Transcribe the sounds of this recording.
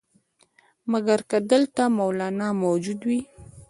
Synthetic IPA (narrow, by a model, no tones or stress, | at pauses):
maɡaɾkad̪əlt̪amawlɑnɑmawd͡ʒud̪wi